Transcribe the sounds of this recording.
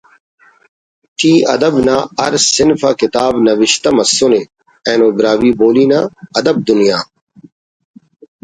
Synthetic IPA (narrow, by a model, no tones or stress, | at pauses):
t̪ʰiːɐ̰d̪əbnaːɐ̰ɾsɪnfaːkɪt̪aːbnɐʋɪʃt̪ɐmɐsʊne | ɛ̃ːnõːbɾaːʋiːboːliːnaːɐd̪ɐb̚d̪ʊnijaː